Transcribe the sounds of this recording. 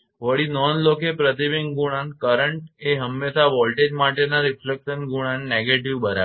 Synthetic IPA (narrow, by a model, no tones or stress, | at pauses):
ʋəɽinɔnlokepɾət̪ibiŋɡuɽ̃ankəɾəɳʈeɦəmːesaʋɔlʈed͡ʒmaʈenaɾɪflekʃənɡuɽ̃anːeɡeʈiʋbəɾa̰